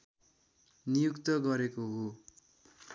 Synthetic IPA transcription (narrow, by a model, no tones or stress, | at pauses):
nijukt̪ʌɡʌɾekoɦo